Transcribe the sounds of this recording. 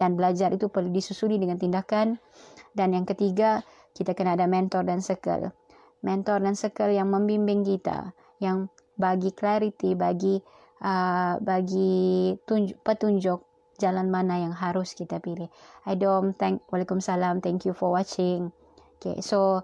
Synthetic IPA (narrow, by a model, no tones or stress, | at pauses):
danbəlad͡ʒaɾʔit̪upərludisusulidəŋant̪indakan | danjaŋkət̪iɡa | kit̪akənaːdamɛnt̪ɔrdansəkə̰l | mɛnt̪ɔrdansəkəljaŋməmbimbɪŋkit̪a̰ | jaŋ | baɡiklaɾit̪ibaɡi | ʔəbaɡit̪uɲd͡ʒpət̪uɲd͡ʒʊk̚ | d͡ʒalanmanajaŋɦaɾʊskit̪apilɪhajdɔmt̪ɛŋkwalakʊmsalamt̪ɛŋkjufɔrwat͡ʃɪŋ | okḛso